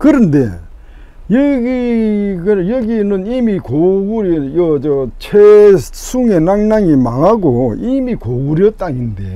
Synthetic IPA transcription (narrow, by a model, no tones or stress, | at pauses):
kɯɾɯnde̞̰ | jʌɡiɡɯjʌɡinɯnimikoɡuɾijʌt͡ɕʌt͡ɕʰesʰuŋe̞naŋnaŋimaŋɦaɡoimikoɡuɾjʌt̚t͈aɲinde̞̰